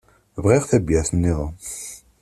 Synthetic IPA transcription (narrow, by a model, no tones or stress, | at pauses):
vʁiʁθæbjæθənːiðˤ